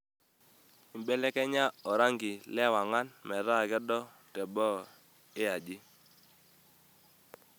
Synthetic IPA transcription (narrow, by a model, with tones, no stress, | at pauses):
ɪ˨mbɛ˦lɛ˦kɛ˦ɲa˦ɔ˨ɾa˦ŋɡɪ˨lɛ˦wa˨ŋa˦nmɛ˨ɾa˦˨ɡɛ˦dɔ˦ | tɛ˨bɔ˦ | ɪ˦a˨d͡ʒɪ˦